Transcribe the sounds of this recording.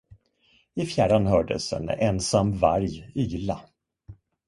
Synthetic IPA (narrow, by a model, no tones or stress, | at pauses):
ɪfjæːɖanhœːɖə̰sɛ̰nɛnsamːvaɾjyːla